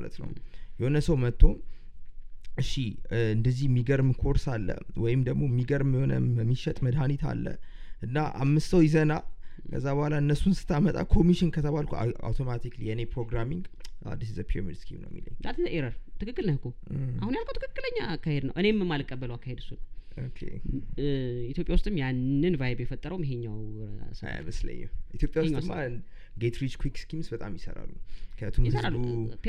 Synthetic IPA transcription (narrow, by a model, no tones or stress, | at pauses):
alə̰t̪nə̰wjɛhonəsəwmət̪ʰːo̞ | ɨʃiɨnd̪əzːihmːiɡəɾmkʰoɾsalːə̰wɔjɪmd̪əɡmo̞mːiɡəɾmho̞nə̰mːiʃɛt̪ʼməd̪ɦanit̪ʰa̰lːə̰ | ʔɨnːaʔa̰mːɨst̪əwjɪzənakʰə̰zːabəhalaɨnːəsːunsɨ̥t̪ʰːamət̪ʼa̰kʰo̞miʃɪnkʰət̪ʰəβalkʰua̰wt̪ʰo̞mat̪ʰiklijɛɨnepɾoɡɾamiŋɡʔa̰d̪ːisizəpʰiomḭnskʰimnəwj̰mːḭlə̰ɲːsat̪ʰɨəʔeɾəɾt̪ʰɨkɨkːɨlnəhɨkʰoʔa̰hunjalkʰəwt̪ɨkʰɨkʼːɨləɲːakːahed̪nəwʔɨne̞mːɨmːalɨkʼːəbːələwakʰːahed̪ɨsunokʰḛ | it̪jo̞pʼjawust̪ʼɨmjanːɨnvajbjɛfət̪ʼːəɾəwmjɦeɲːawsəa̰j̰məslə̰ɲːɛ̰mʔit̪ʰjopʼjawusɲːɨma | ɡet̪ɾid͡ʒkʰwikskimsbət̪ʼamjɪsə̰ɾa̰lːukʰəat̪ʰumisəɾalːuu